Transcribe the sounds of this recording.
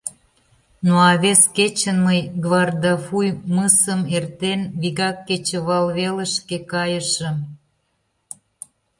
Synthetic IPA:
noɑβesket͡ɕənməjɡβɑrd̪ɑfujməsəmert̪enβiɣɑkːet͡ɕə̆βɑlβelə̆ʃkekɑjə̆ʃə̆

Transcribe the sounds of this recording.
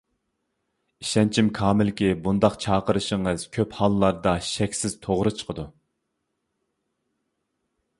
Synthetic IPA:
iʃɛnt͡ʃʰimkʰɑːmɪlkʲibund̪ɑqt͡ʃʰɑːqəɾɨʃəŋɨz̥kʲʰøphɑlˠːɑɾd̪ɑʃɛkʲsɪz̥t̪ʰoʁɾɨt͡ʃʰə̥qʰəd̪u

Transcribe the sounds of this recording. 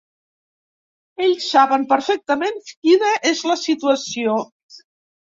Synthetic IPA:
eʎsːaβəmpəɾfɛk̚t̪əmenkinəʔezləsit̪uəsio

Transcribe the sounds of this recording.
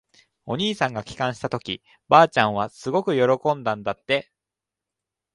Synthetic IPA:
o̞ɲ̟iːsãŋɡakʲi̥kãɰ̃ɕi̥t̪at̪o̞kʲi | baːt͡ɕãɰ̃β̞asɨɡo̞kɯ̟jo̞ɾo̞kõ̞nd̪ãnd̪at̪ːe̞

